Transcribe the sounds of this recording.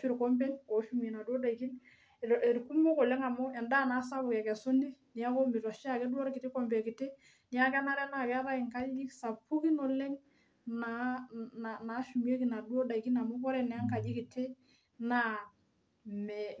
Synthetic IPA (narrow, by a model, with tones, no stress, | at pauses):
ʃu˦ɾkɔ˦mbɛ˦ŋko˨˦ʃu˦me˨na˨du˦ɔ˦da˨i˨ki˦n˨ | e˨ɾku˦mo˦kɔ˨lɛ˦ŋa˨mɔ˦ɛ˨nda˦˨na˨˦sa˦bʊ˨kɛ˨kɛ˨so˦ni˦ni˨a˦kɔ˦mi˨ta˨ʃa˦˨kɛ˦dwɔ˦ɾkɪ˨ti˦kɔ˦˨mbɛ˨kɪ˨te˦ | nɪ˨a˦kɛ˦na˦ɾɛ˦na˨kɛ˦ɾa˦i˨ŋka˦d͡ʒi˦ksa˨pːu˦ki˦nɔ˨lɛ˦ŋ | na˦na˨na˨˦ʃu˨mje˦ki˨na˨dwɔ˦da˨i˨ki˦na˨mɔ˦kɔ˦ɾɛ˦nɛ˨a˦ŋka˨d͡ʒi˦kɪ˨tʰe˦ | na˦ | mɛ˨